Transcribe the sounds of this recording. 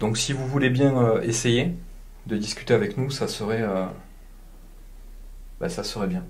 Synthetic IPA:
d̪ɔ̃ksivuvulebjɛ̃øeseje | d̪əd̪iskʲy̥t̪eavɛknusasəʁɛø | ba̰sasəʁɛbjɛ̃

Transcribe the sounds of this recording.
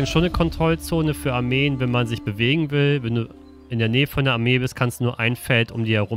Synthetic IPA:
ʃoːnːəkʰɔntʁ̥ɔlt͡soːnəfyːɐaɐmeːənvɛnmanzɪçb̥əveːɡŋ̩vɪlvɛnduː | ʔɪndeːɐneːəfɔndeːɐaɐmeːbɪstkʰanstd̥unuɐʔaɪnfɛltʔʊ̰mdiːhɛɐʁʊ

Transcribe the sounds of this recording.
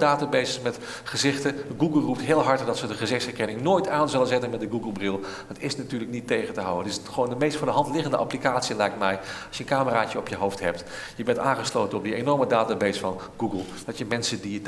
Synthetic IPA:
daːtabejssmɛt | χəzɪχtəɡuɡəl̩ˠrup̚tɦɪːlˠɦɑɹtədɑtsədəχəzɪχsɛɹkɛnɪŋnoːjtaːnzɪlənzɪtənmɛt̚dəɡuɡəlˠbrɪlˠ | ətɪsnatyːɹləknitːejχəntəɦa̰wəntɪsχəʋoːndəmejstfʊːdəɦɑntlɪχəndəʔa̰plikaːtsiəlɛjktmɛjɑsjənkaːməraːt͡ʃəɔpjəɦowftɦɛp̚t | jəbɛntaːnχəslowtənɔb̚diejnɔɹmədaːtabejsfɑn | ɡ̥uɡəlˠ | d̥ɑtjəmɛnsədiət

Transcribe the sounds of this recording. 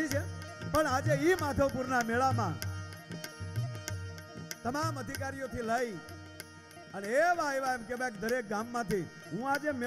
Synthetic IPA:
it͡ʃʰepəɳad͡ʒeimat̪ʰəʋpuɾnameɭamã̰ | t̪əmaməd̪ʱikaɾijot̪ʰiləi | əneeʋaeʋaemkebaekd̪əɾek̚ɡamːãt̪ʰi | ɦũad͡ʒem

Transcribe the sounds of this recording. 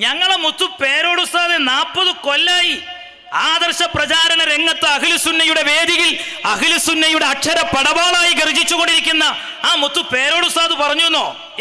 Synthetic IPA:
ɲɐŋːɐɭemut̪ːupe̞ːɾo̞ːɽust̪aːðenaːpːɐðuko̞lːaːji | aːd̪ɐrɕɐprɐt͡ɕaːɾɐɳɐɾe̞ŋːɐt̪ːɨɐkilusunːɐjuɽe̞ʋe̞ːd̪iɣilɐkilusunːɐjuɽe̞ɐkʂɐɾɐpːɐɽɐʋaːɭaːjiɡɐrid͡ʑːit͡ɕːuɣo̞ɳɖiɾikʲːunːɐ | aːmut̪ːupe̞ːɾo̞ːɽust̪aːðɨpɐrɐɲːunːoː

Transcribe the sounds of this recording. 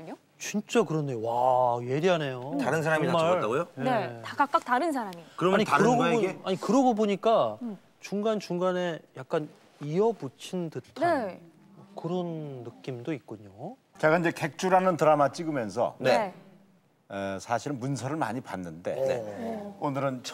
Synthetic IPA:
ɲo | t͡ɕint͡ɕ͈akɯɾʌnːe̞jowaje̞ɾiɦane̞jotaɾɯns̬ʰaɾamimaɭaɡojoneeakak͈ak̚taɾɯns̬ʰaɾamikɯɾʌmaɲiɯɾʌɡaɲikɯɾʌɡoboɲik͈a | t͡ɕuŋɡant͡ɕuŋɡane̞jak̚k͈an | iʌbut͡ɕʰindɯtʰae | kɯɾʌnːɯk͈imdoik̚k͈uɲo | t͡ɕe̞ɡaiɲd͡ʑe̞ke̞k̚t͡ɕ͈uɾanɯntɯɾamat͡ɕ͈iɡɯmjʌnsʰʌ̰ne | sʰaɕʰiɾɯnmunsʰʌɾɯɭma̰ɲipanːɯnde̞̰neonɯɾɯnt͡ɕʰ

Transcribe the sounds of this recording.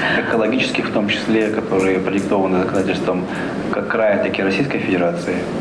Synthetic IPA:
ɛkəlˠɐɡʲit͡ɕɪ̥skʲɪxft̪o̞mt͡ɕɪ̥sʲlʲekɐt̪o̞ɾɨjəpɾədʲɪk̚t̪o̞vənɨzəkɐnatʲɪlʲst̪vəm | kakːɾajʲɪt̪ɐkʲɪɾɐsʲijskəjfʲɪdʲɪɾat̪sɨɪ

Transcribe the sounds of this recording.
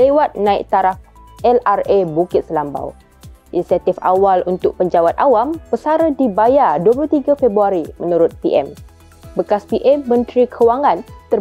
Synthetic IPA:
lewat̪̚nãḭk̚t̪aɾafʔɛlarebukɪt̪̚səlamba̰w | ʔinisiat̪ifa̰walunt̪ʊk̚pəɲd͡ʒawat̪̚ʔawampəsaɾədibajaduəpluht̪iɡafebɾuaɾimənũɾʊt̪̚piʔɛ̰m | bəkaspiʔɛmːə̃nt̪ɾikʰəwaŋãnt̪ə

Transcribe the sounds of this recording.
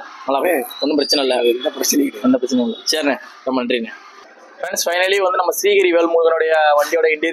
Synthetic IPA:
ɐlaɔnːɯpɪɾɐt͡ʃːɪnɐɪlːɐɾnɛnd̪ɐpɪɾɐt͡ʃːɐnɐʊlːɐseːɾnɐnɐmɐnɐɳɖɾiŋɐ | fɾɛɳsfɐɪnɐliʋɐnd̪ɯnɐmːɐsiːɣɐɾiʋelmuːɣɐnoɽɐjɐʋɐɳɖioːɽɐɪɳɖiɾ

